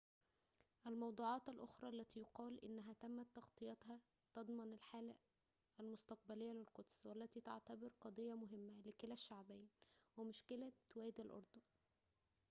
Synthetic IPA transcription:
ʔælmɑwd̪ˤuːʕɑːt̪ælʔoxɾˤɑʔlːæt̪iːjoqɑːlʔɪ̰nːæɦæt̪æmːæt̪ːɑxt̪ˤɨjɑt̪hɑ | t̪ɑd̪ˤmɑnælħaːlæ | ælmʊst̪ɑq̚bælejːælɪlqod̪swælːæt̪iːt̪a̰ʕt̪æbeɾqɑd̪ˤejːɑmʊɦɪmːælɪkelæʃːaʕbæːnwemʊʃkɪlæt̪wæːd̪ælʔɑ̰ɾˤd̪o

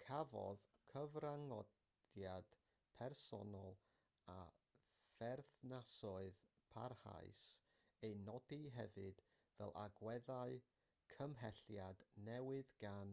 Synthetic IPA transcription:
kʰavɔ̰ðkʰəvraŋɔd | jad̥ | pʰɛrsɔ̰nɔlˠ | a | fɛrθnasɔɨð | pʰa̰rha̰ɨs | ejnɔdiɦɛvɨd̥ | vɛ̰lˠʔa̰ɡwɛðaɨ | kʰəmɦɛɬjadnɛwɨðɡan

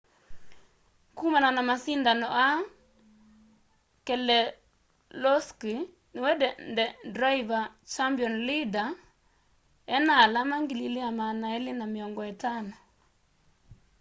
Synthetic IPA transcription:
kumananamasindanɔʔa | kɛlɛ | lɔski | nɪwɛdɛndɛdɾaivat͡ʃambjɔnlida | ɛnalamaŋɡililiamanaɛlɪnamiɔŋɡɔɛtanɔ

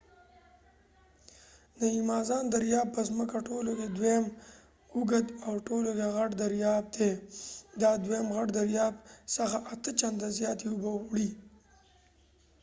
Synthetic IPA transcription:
nəimɑːzɑːnd̪aɾjɑːb̚pəzməkaʈoloked̪wem | uɡəd̪awʈolokeɣaʈd̪aɾjɑːb̚d̪ed̪ɑd̪wemɣaʈd̪aɾjɑːbsəxaʔat̪ət͡ʃand̪azjɑːt̪eʊbəɽi

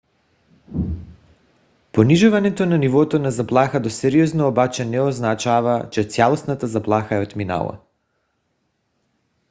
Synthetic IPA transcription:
poniʒuvanɛt̪onanivɔt̪onazaplˠaxad̪osɛɾiɔznoɔbat͡ʃɛnɛɔznat͡ʃavat͡ʃɛt̪sʲjalˠosnat̪azaplˠaxaɛot̪mina̰lˠa̰

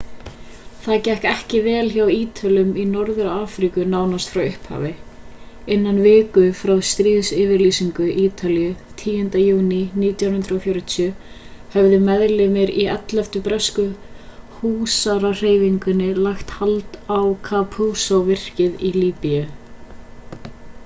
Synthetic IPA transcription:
θaðcɛhkɛhcɪvɛːlçawiːt̪ʰalʏminɔɾðʏɾaaːfɾikʏnaːwnast̪fɾawʏhpha̰ːvɪ | ɪnːanvɪːkʏfɾawst̪ɾiːðsɪːvɪɾlisiŋkʏʔiːt̪ʰalijʏ | t̪ʰiːjʏnt̪ajuːniniːt̪jawnhʏnt̪ɾɔfjoːɾɪt̪ʰiʏ | hɛvðɪmɛðlɪmɪɾiɛt̪lɛft̪ʏpɾɛskʏhuːsaɾar̥eːjviŋkʏnːɪlaxt̪halt̪awkʰapʰuːsowvɪr̥cɪðiliːpijʏ

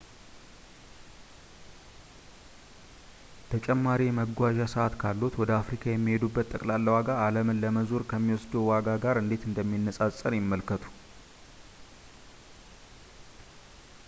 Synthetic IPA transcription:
t̪ʰət͡ʃʼɛmːaɾijɛməɡʷaʒasəʔat̪kʰalːot̪wɔd̪əafɾikʰajɛmːihe̞d̪ubːət̪ːəkʼlalːəwaɡaaləmɨnləməzuɾkʰəmːiwɔsd̪uwaɡaɡaɾɨnd̪e̞t̪ɨnd̪əmːinːəsʼasʼənjɪmːəlkʰət̪ʰu̥

